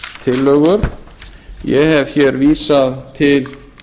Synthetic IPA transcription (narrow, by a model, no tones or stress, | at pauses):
t̪ʰɪlːœːɣʏɾ̥ | jɛɦɛv̥çɛɾviːsaðt̪ʰɪl